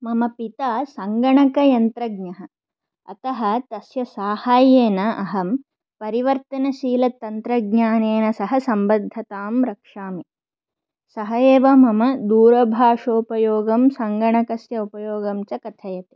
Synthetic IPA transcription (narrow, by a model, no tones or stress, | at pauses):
mɐmɐpit̪aːsɐŋɡɐɳɐkɐjɐnt̪ɾɐɡnɐɦɐ̆ | ɐ̰t̪ɐɦɐ̆t̪ɐsjɐsaːhaːjeːnɐʔɐɦɐm | pɐɾiʋɐɾt̪ɐnɐʃiːlɐt̪ːɐnt̪ɾɐɡɲaːneːnɐsɐɦɐsɐmbɐd̪ʱːɐt̪aːmɾɐkʂaːmi | sɐɦɐeːʋɐmɐmɐd̪uːɾɐbʱaːʂoːpɐjoːɡɐmsɐŋɡɐɳɐkɐsjɐupɐjoːɡɐmt͡ʃɐkɐt̪ʰɐjɐt̪e̥